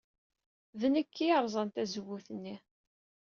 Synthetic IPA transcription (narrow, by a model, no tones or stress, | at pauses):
ðnəkʰːiəɾˤzˤɑnt̪æzəwːuθənːi